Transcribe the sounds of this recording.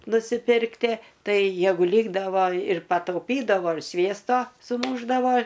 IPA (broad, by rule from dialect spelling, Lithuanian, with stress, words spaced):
nʊsʲɪˈpʲɪrktʲiɛ ˈtɐɪ ˈjæːɡʊ ˈlʲiːɡdɐʋoː ɪr pɐtɐʊˈpʲiːdɐʋoː ɪr ˈsʲʋʲiɛstoː sʊˈmuːʒdɐʋoː